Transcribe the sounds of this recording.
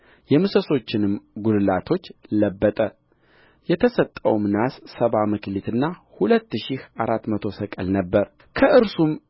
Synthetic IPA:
jɛmɨsəso̞t͡ʃːɪnɨmɡullat̪ʰo̞t͡ʃːləbːət̪ʼə | jɛt̪ʰəsət̪ʼːə̰wmnasːəβamɨklit̪ʰɨnːahulət̪ːʃihaɾat̪ːmət̪ʰo̞səkʼəlnəbːəɾ | kʰəʔɨɾsum

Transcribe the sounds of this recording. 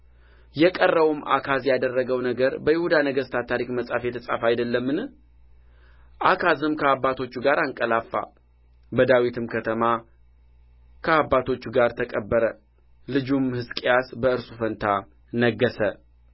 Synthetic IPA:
jɛkʼərːəwumʔa̰kʰazjad̪ərːəɡəwnəɡəɾbəjɪhud̪anəɡəst̪ʰat̪ʰaɾikməsʼafjɛt̪ʰəsʼa̰fajd̪əlːəmːɨnɨ | ʔakʰazɨmkʰəabːat̪ʰo̞t͡ʃːuɡaɾaŋkʼəlafːa̰ | bəd̪awit̪ʰɨmkʰət̪ʰəma | kʰəabːat̪ʰo̞t͡ʃːuɡaɾt̪ʰəkʼəbːəɾə | lɨd͡ʒumhɨskʼejasbəɨɾsufənt̪ʰa | nəɡːəsə

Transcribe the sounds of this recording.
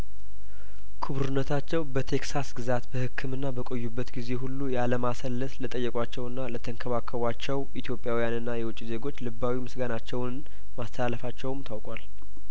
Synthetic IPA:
kʰɨβɾɨnːət̪ʰat͡ʃːɛwbət̪ʰe̞ksasɡɨzat̪bəhɨkʰːɨmɨnːabəkʼo̞jːubːət̪ɡize̞ɦulːujaləmasəlːət̪lət̪ʼəjːɛkʼʷat͡ʃːɛwɨnːalət̪ʰəŋkʰəβakʰːəβat͡ʃːɛwʔit̪jo̞pʼːjawijanɨnːajɛwʊt͡ʃʼːize̞ɡo̞t͡ʃːlɨbːawimɨsɡanat͡ʃːɛwn | mast̪ʰəlalːəfat͡ʃːɛwmt̪ʰawkʼal

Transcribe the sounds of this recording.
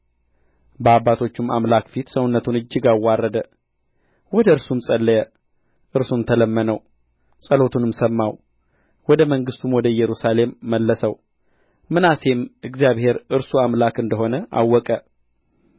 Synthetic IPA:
bəaβːat̪ʰo̞t͡ʃːuma̰mlakfit̪səwnːət̪ʰunɨd͡ʒːɪɡawːarːəd̪ə | wɔd̪əɨɾsumsʼəlːəjɛ | ʔɨɾsunt̪ʰələmːənəw | sʼəlo̞t̪ʰunɨmsəmːaw | wɔd̪əməŋɡɨst̪ʰumwɔd̪əjɛɾusale̞mːəlːəsəw | mɨnase̞mʔɨɡzijaβhe̞ɾɨɾsuamlakɨnd̪əɦo̞nəʔa̰wːɔkʼə

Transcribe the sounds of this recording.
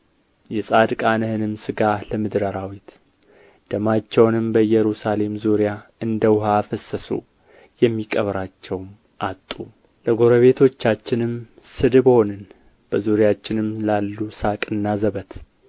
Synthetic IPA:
jɛsʼad̪kʼanəhɨnɨmsɨɡaləmɨd̪ɾəɾawit̪ | d̪̥əmat͡ʃːɛwnɨmbəjɛɾusale̞mzuɾijaɨnd̪əwɦafəsːəsṵ | jɛmːikʼəβɾat͡ʃːɛwm | ʔat̪ʼːu | ləɡo̞ɾəβe̞t̪ʰo̞t͡ʃːat͡ʃːɪnɨm | sɨd̪ɨbonɨn | b̥əzuɾijat͡ʃːɪnɨmlalːusakʼɨnːazəβət̪

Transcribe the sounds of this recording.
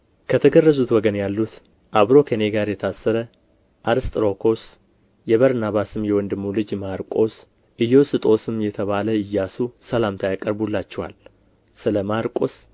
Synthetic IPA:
kʰət̪ʰəɡərːəzut̪wɔɡənjalːut̪ | ʔaβɾo̞kʰeneɡaɾjɛt̪ʰasːəɾə | ʔaɾɨst̪ʼɨɾo̞kʰo̞s | jɛβəɾnaβasɨmjɛwɔnd̪ɨmːulɨd͡ʒmaɾkʼo̞s | ʔɨjːɛwsɨt̪ʼo̞sɨmːjɛt̪ʰəβaləɨjːasusəlamt̪ʰajakʼəɾbulːat͡ʃːɛwa̰l | sɨləmaɾkʼo̞s

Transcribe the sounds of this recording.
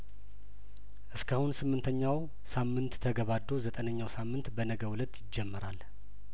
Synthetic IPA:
ʔɨskʰahunsɨmːɨnt̪ʰəɲːaw | samːɨnt̪ːʰəɡəβad̪ːo̞zət̪ʼənəɲːawsamːɨnt̪bənəɡəwulət̪ːjɪd͡ʒːɛmːəɾal

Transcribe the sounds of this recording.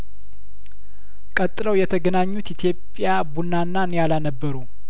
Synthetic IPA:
kʼət̪ʼːɨləwjɛt̪ʰəɡənaɲːut̪it̪ʰjo̞pʼːjabunːanːanjalanəbːəɾu

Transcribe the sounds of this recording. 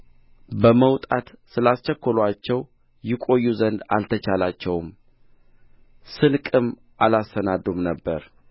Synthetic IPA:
bəməwt̪ʼat̪sɨlast͡ʃɛkʰːəlwat͡ʃːɛw | jɪkʼo̞jːuzənd̪a̰lt̪ʰət͡ʃalat͡ʃːɛwm | sɨnkʼɨm | ʔalasːənad̪umnəbːəɾ

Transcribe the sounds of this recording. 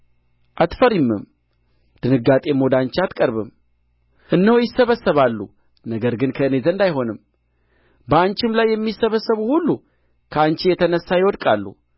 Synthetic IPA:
ʔat̪fəɾimːɨ̰m | d̪̥ɨnɨɡːat̪ʼe̞mod̪ant͡ʃat̪kʼəɾβɨm | ʔɨnːəhujɪsːəβəsːəβalːṵ | nəɡəɾɡɨnkʰəɨne̞zənd̪ajho̞nɨm | bəant͡ʃɪmlajːɛmːisːəβəsːəβuhulːu | kʰəant͡ʃijɛt̪ʰənəsːajɪwɔd̪kʼalːṵ

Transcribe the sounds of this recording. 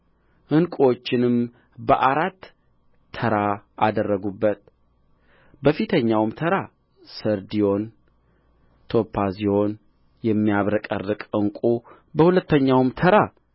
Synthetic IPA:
hɨnkʼot͡ʃːɪnɨm | bəʔaɾat̪ːʰ | əɾaad̪ərːəɡubːət̪ | bəfit̪ʰəɲːawmt̪ʰəɾa | səɾd̪ijo̞n | t̪ʰo̞pʰːazijo̞n | jɛmːijaβɾəkʼə̰rːɨkʼɨŋkʼu | bəhulət̪ːəɲːawmt̪ʰəɾa

